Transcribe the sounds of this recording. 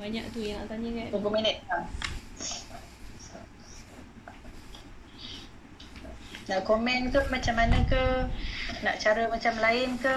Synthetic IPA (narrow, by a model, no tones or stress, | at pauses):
baɲaʔt̪ujaŋnaʔt̪aɲəkadupuminət̪̚la | naʔkomɛnk̪əmat͡ʃamːanə̃kə | na̰ʔt͡ʃaɾəmat͡ʃamlaɪnkə